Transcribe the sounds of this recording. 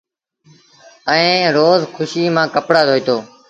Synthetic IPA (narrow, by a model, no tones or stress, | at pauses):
əẽːɾoːzkʰʊʃiːmãːkəpɽaːd̪ʱoːiːt̪oː